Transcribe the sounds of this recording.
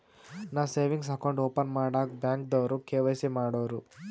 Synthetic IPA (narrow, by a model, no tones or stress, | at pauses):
naːseːʋiŋɡs̬ɐkɐwɳɖoːpɐnmaːɽaːkbjaːŋkd̪oːɾukeːʋɐjsimaːɽoːɾu